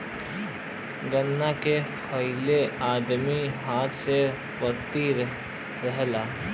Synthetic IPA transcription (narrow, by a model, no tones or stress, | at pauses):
ɡənːakepʰɐileaːd̪miɦaːɾse | pəɾt̪i | ɾəɦlaː